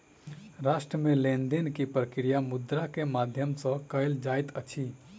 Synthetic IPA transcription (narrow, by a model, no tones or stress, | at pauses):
ɾaːsʈɾəmelend̪enkipɾəkɾijamud̪ɾakemad̪ʱjəmsə̃kəɪld͡ʒaːjt̪ət͡ʃʰi